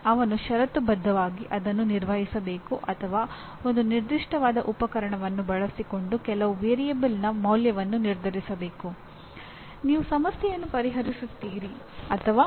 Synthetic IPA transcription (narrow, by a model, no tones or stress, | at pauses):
ɐʋɐnuʃɐɾɐt̪ubɐd̪ʱːɐʋaːɡiʔɐd̪ɐnːuniɾʋɐɦisɐbe̞ːkuʔɐt̪ʰɐʋaː | o̞nd̪uniɾd̪iʂʈɐʋaːd̪ɐʔupɐkɐɾɐɳɐʋɐnːubɐɭɐsiko̞ɳɖukɛlɐʋuʋeːɾijɐbɐlnɐmɐwljɐʋɐnːuniɾd̪ʱɐɾisɐbe̞ːku | niːʋusɐmɐsjɛjɐnːupɐɾiɦɐɾisut̪ːiːɾi | ɐt̪ʰɐʋaː